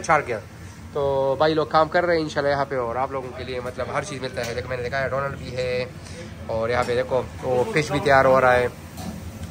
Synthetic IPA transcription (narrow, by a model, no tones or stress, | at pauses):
t͡ʃaːɾʈɡja | t̪oːbaːiloːɡ̚kaːmkɐɾːeɦɛ̃ɪ̃nʃaːlːajɐɦãpeɔːɾaːploːɡõkeliemɐt̪ləbɦɐɾt͡ʃiːzmɪlt̪aɦɛd̪eːkʰomɛːned̪eːkʰaɦjaɖɔːnəlɖbʱiɦɛ | ɔːɾjɐɦãped̪eːkʰoopʰɪt͡ʃbʱit̪ɐjaːɾɦɔːɾaːeː